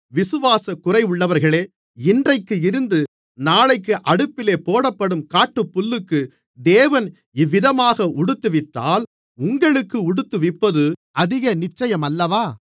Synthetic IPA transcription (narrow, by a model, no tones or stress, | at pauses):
ʋɪsɯʋaːsɐkʊrɐɪʊɭːɐʋɐɾɣɐɭeː | ɪndrɐɪkːɯɪɾɯnd̪ɯ | naːɭɐɪk̬ːɯʔɐɽɯpːɪleːpoːɽɐpːɐɽɯmkaːʈːɯpːʊlːɯkːɯ | d̪eːʋɐn | ɪʋːɪðɐmaːɣɐʔʊɽɯt̪ːɯʋɪt̪ːa̰ːl | ʊŋɡɐɭɯkːɯʊɽɯt̪ːɯʋɪpːɐðɯʔɐðɪɣɐnɪt͡ʃːɐjɐmɐlːɐʋaː